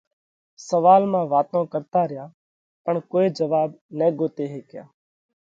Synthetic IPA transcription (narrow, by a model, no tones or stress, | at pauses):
səʋaːlmãːʋaːt̪õːkəɾt̪aːɾɪjãː | pəɳkoːeːd͡ʒəʋaːbneːɡoːt̪eːɦeːkɪja̰ː